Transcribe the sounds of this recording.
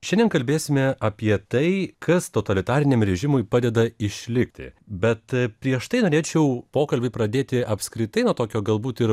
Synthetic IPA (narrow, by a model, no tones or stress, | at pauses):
ʃʲɛnʲdʲɛnkɐlʲbʲeːsʲɪmʲɛʔɐpʲiɛt̪ɐɪkʰɐst̪ot̪ɐlʲɪt̪ɑːɾʲɪnʲeːmɾʲɛʒʲɪmʊɪpɑːd̪ʲɛd̪ɐɪʃʲlʲɪkʲt̪ʲɪ̰bʲɛt̪pʲɾʲiɛʃt̪ɐɪnoːɾʲeːt͡ʃʲɛʊpoːkɐlʲbʲɪpɾɐd̪ʲeːt̪ʲɪɐpskɾʲɪt̪ɐɪnuot̪oːkʲoːɡɐlˠbuːt̪ɪɾ